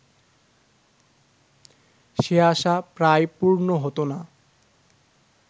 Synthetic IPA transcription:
ʃeaʃapɾajpuɾnoɦot̪ona

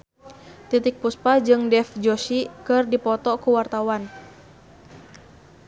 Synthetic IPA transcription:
t̪it̪ɪk̚puspad͡ʒɨŋdɛfd͡ʒoʃikɨrdipɔt̪ɔkuwart̪awan

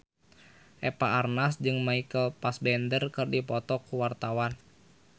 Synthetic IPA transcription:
ʔɛpaʔarnasd͡ʒɨŋmaikəlpasbɛndərkɨrdipɔt̪ɔkuwart̪awan

